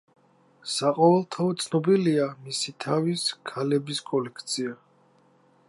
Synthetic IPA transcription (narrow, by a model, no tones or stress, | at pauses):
saqʼɔvɛlˠt̪ʰaɔt̪sʰnɔbiliamisit̪ʰaviskʰalɛbiskʼɔlɛkʰt̪sʰia